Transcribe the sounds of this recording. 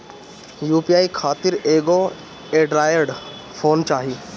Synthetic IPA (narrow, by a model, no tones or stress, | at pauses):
juːpiaːikʰaːt̪ɪɾeːɡo | eːɖɾaːjəɾɽfʰoːnt͡ʃaːɦiː